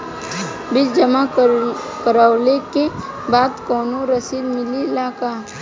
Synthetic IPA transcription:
bɪld͡ʒɐma | kəɾawleke | baːd̪kɔːnoɾɐsiːd̪mɪlilaːkaː

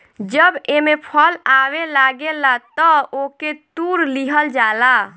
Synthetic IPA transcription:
d͡ʒəbemepʰəlawelaɡelat̪ɔoket̪uɾliɦəld͡ʒala

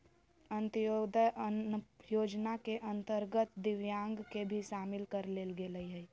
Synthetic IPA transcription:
ənt̪jod̪əʔəjoːd͡ʒnakeʔə̃nt̪əɾɡət̪d̪ɪʋjãːŋɡkebʱiʃaːmɪlkəɾleːlɡeːləiɦə

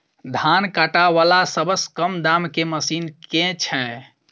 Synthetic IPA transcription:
d̪ʱankaʈaʋalasəbəskəmd̪amkeməsinkẽt͡ʃʰɛ

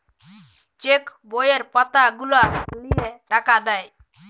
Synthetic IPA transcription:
t͡ʃekbojeɾpət̪aɡulalijeɾakʰad̪ɛj

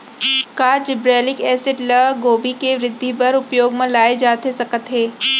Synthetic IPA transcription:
kaːd͡ʒɪbɾɛːlɪkɛːseʈlɐɡoːbikeʋɾɪd̪ʱːipɐɾʊpjoːɡmẽlaːed͡ʒaːt̪esɐkət̪ɦɛː

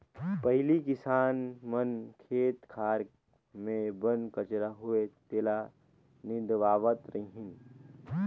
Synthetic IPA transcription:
pɐɦɪlikɪsaːnmənkʰeːt̪kʰaːɾ | mẽbənkət͡ʃɾaɦʊet̪eːla | nɪ̃d̪ʋaːʋət̪ɾəĩɦɪ̃n

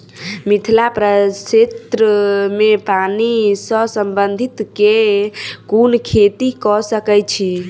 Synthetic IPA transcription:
mit̪ʰlapɾəset̪ɾəmepanisəsəmbənd̪ʱit̪ke | konkʰet̪ikɔsəkɛjt͡ʃʰi

